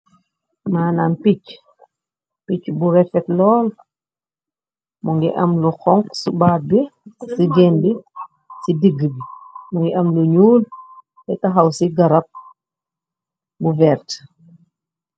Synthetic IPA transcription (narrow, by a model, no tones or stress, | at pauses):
maːnaːnpic | picbuɾɛfɛtlɔːl | muŋɡḭʔɐmluxɔŋksubaːbisiɡɛːnbi | sidiɡːəbimuŋɡiʔɐmluɲuːl | tɛtɐxɐwsiɡɐɾɐp̚ | buvɛːɾt